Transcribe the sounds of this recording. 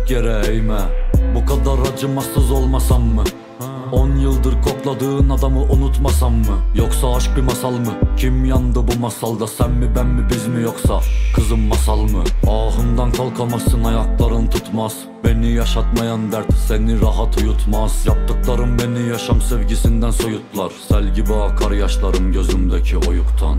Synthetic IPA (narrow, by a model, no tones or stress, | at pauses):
kʲʰɛɾɛjmɛbuqʰɑd̪ɑɾːɑd͡ʒɨmɑsɨzolˠmɑsɑmːɨ | onjɨlˠd̪ɨɾkʰoqlˠɑd̪ɯʁɯnɑd̪ɑmɯʔunut̪mɑsɑmːɨjoqsɑɑʃbimɑsɑlˠmɨkʲʰimjɑnd̪ɨbumɑsɑlˠd̪ɑsɛnmɪbɛmmɪbɪzmɪjoqsɑqʰəzɨmːɑsɑlˠmɯɑːʁɯmd̪ɑnkʰɑlˠqʰɑmɑsɨnɑjɑqlˠɑɾɯnt̪ʰut̪mɑz | menːɪjɑʃɑt̪mɑjɑnd̪ɛɾt̪ʰsɛnɪɾɑɦɑt̪ʰujut̪ʰmɑzjɑp̚t̪ːɨqlˠɑɾɯmːɛnɪjɑʃɑmsevɡʲisɪnd̪ɛnsojut̪ʰːɨlˠɑɾsɛlɡʲibɑkʰɑɾjɑʃlˠɑɾɯmɡʲøzymd̪ɛkʲʰiojuqt̪ʰɑ̰n